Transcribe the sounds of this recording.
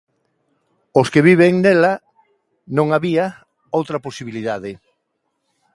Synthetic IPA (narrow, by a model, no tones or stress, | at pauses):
oskeβiβ̞eŋnɛla | nõŋaβia | owt̪ɾɐposiβiliðaðe